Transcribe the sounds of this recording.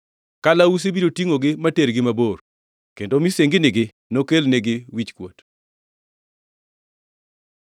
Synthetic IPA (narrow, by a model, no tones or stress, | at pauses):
kalaus̬ebiɾotiŋoɡɪmateɾɡɪmabor | kendomiseŋɡɪnɪɡɪ | nokelneɡɪwit͡ʃkwo̰t